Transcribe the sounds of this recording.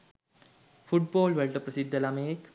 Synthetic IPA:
fuʈ̚bɔːlʋeɭʈəpɾɐsid̪ʱːəlameːk

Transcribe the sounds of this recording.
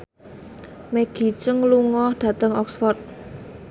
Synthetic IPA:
meɡ̥i̤t͡ʃəŋluŋɔhɖ̥a̤t̪əŋɔksfɔrt̪̚

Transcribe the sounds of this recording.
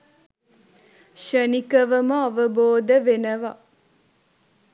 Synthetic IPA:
ʃənikəʋəməaʋəboːd̪əʋenəʋa̰

